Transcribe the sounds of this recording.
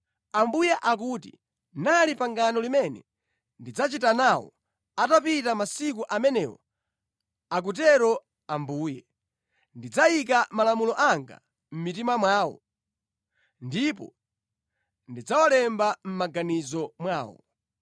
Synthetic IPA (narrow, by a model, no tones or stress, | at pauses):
ambujɛʔakuːtḭ | nalipaŋɡanɔlimɛnɛ̰ | ndid͡zat͡ʃitanawɔ̰ | atapitamasik̬uʔamɛnɛwɔ | ak̬ut̬ɛɾɔ | ambuːjɛ | ndid͡zajik̬amalamulɔʔaŋɡa̰ | m̩mit̬imamwaːwɔ̰ | ndipɔ̰ | ndid͡zawalɛmbam̩maɡanizɔmwaːwɔ̰